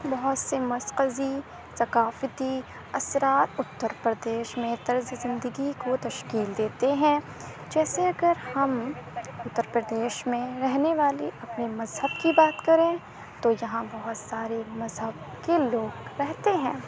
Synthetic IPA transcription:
bɐɦʊt̪semɐsqəzi | sɐkaːfət̪i | ɐsɾaːɾʊt̪ːəɾpɾəd̪eːʃmẽt̪ɐɾzzɪ̃nd̪əɡikot̪ɐʃkiːld̪eːt̪eɦɛ̃ | d͡ʒɛːseɐɡəɾhɐmʊt̪ːəɾpɾəd̪eːʃmẽɾɛɦneʋaːliɐpnimɐzɦəbkibaːt̪kɐɾẽ | t̪ojɐɦãbɐɦʊt̪saːɾemɐzɦəb̚ | keloːɡɾɛɦt̪eɦɛ̃ː

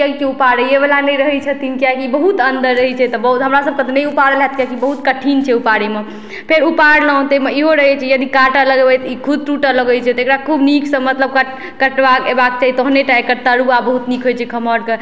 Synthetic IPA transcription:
aikeupaɾəjebelanəjɾəɦɛt͡ʃʰət̪inkjakibəɦut̪ənd̪əɾːəɦɛt͡ʃʰɛt̪ɔbəɦut̪ɦəmɾasəb̚kət̪nəjupaɾəlɦɛt̪kjakibəɦut̪kəʈʰint͡ʃʰɛupaɽeme | pʰeɾupaɽləɦt̪emeiɦoɾəɦɛt͡ʃʰɛjəd̪ʱikaʈaləɡebɛjt̪ɔikʰud̪̚ɾuʈələɡəjt͡ʃʰɛt̪ɔekɾakʰubnikʰsə̃mət̪ləb̚kəʈ | kəʈbakebak̚t͡ʃaɦit̪oɦneʈajkəɾt̪əɾuabəɦut̪nikʰɦojt͡ʃʰɛkʰəməɾke

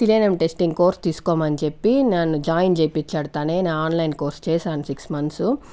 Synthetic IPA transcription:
silenemʈesʈiŋɡko̞ːɾst̪iːsu̥koːmɐnit͡ʃepːinenːud͡ʒaːjind͡ʒejpit͡ʃːɐɽut̪aːneːnaːnlɐjnko̞ːɾst͡ʃɛːʃaːnusiksmɐnsu

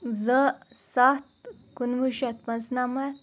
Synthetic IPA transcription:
zəsat̪̚ | kunʋuʃɐt̪pɐnsnamɐ

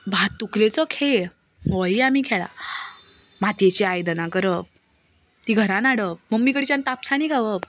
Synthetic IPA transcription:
bʱat̪ːuklet͡sɔkʰeɭ | mʋɔiamiːkʰɛɭa̰ | mat̪jet͡ɕeajd̪ənãkəɾə | t̪iːɡʱəɾãnaɽəməɡmːikəɽit͡ɕãnt̪apsañiɡʱaʋəp

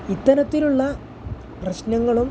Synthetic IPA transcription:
it̪ːɐnɐt̪ːiluɭːɐ | prɐɕnɐŋːɐɭum

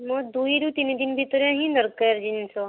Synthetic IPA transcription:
mɔd̪uiɾut̪ind̪inbʱit̪ɾjãɦĩd̪əɾkəɾd͡ʒinsɔ

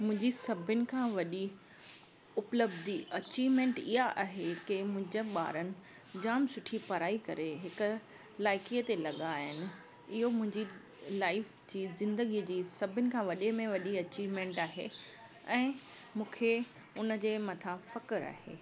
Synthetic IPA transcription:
mʊ̃ɦɪ̃ɲd͡ʑisɐbʱʊnɪ̆kʰãːʋɐɗi | ʊpləbd̪iʔɐt͡ɕiːʋmẽːɳʈɪɦaʔaːɦekɪmʊ̃ɦɪ̃ɲd͡ʑəɓa̰ːɾənɪ̆ | d͡ʑaːmsʊʈʰipɐɾaːikɐɾeɦɪkʊ̆ | laːɪkiːət̪elɐɠaːɦɪnɪ̆ | ɪɦomʊ̃ɦɪ̃ɲd͡ʑi | laːɪf | d͡ʑiːzɪ̃nd̪əɡid͡ʑiːsɐbʱɪnɪ̆kʰãːʋɐɗemẽʋɐɗiɐt͡ɕiːʋmẽːɳʈaːɦe | ɛ̃ː | mũːkʰe | ʊnə̆d͡ʑeːmɐt̪ʰafɐkəɾa̰ːɦḛː

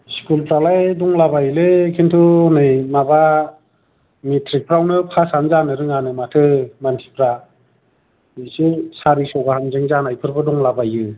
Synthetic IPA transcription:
skulpɾalajdɔŋlabajlekʰintʰunɯjmaba | mitʰɾik̚pʰɾawnɯpʰasamzanɯɾɯŋanɯmatʰɯmantʰipʰɾa | nɯsesaɾisɔwɡahamzɯŋzanajpʰɯɾbɯdɔŋlabajɯ

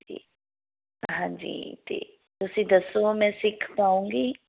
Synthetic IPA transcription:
i | ɦãːd͡ʒḭːt̪ḛː | t̪ʊsĩːd̪əsomɛ̃ːsɪkʰpaːũːŋɡiː

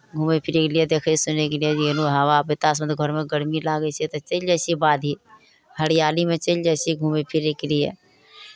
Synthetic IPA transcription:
ɡʱuːmepʰɪɾeːklijed̪eːkʰeisʊnːekelied͡ʒnuɦɐwapɪt̪aːsməd̪ɡʱɔɾmẽɡəɽmilaːɡəsit̪ɐt͡ʃəld͡ʒɛːsibaːd̪ʱiː | həɽɪjaːlimẽt͡ʃəld͡ʒaːsiɡʱuːmepʰɪɾeklijḛː

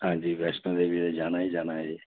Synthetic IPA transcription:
ɦãːd͡ʒiːʋɛːsʈə̃ːd̪eʋiːɾed͡ʒaːnaːɦiːd͡ʒaːnaːɦeː

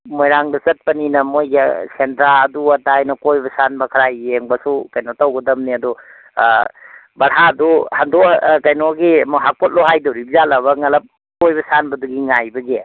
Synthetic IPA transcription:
mojɾaŋdɐsɐt̚pɐninɐmojɡasentɾaɐduɐtajnɐkojbɐsanbɐkʰɐɾajeŋbɐsukɐjnotɐwɡɐdɐmniɐdu | bɐɾɦaduhandɔkɐjnoɡimɔɦak̚pot̚loɦajdɐwɾibzalɐβɐŋɐlɐp̚ | kojbɐsanbɐduɡiŋajbɐɡe

